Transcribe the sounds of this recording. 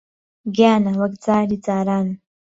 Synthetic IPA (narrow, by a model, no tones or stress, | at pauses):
ɡaːnɐwɐkd͡zaːɾid͡zaːɾaːn